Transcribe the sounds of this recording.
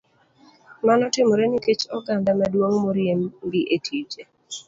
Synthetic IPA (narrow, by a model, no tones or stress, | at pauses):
manɔtɪmɔɾeniket͡ʃɔɡandamadwoŋmoɾjemɡiʔetʰit͡ʃe